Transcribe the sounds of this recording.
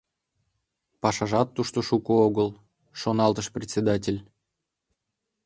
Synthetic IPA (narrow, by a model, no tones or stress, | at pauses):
pɑʃɑʒɑt̪ːuʃt̪oʃukooɣəlˠ | ʃonɑlˠt̪əʃprʲet̪sʲed̪ɑtʲelʲ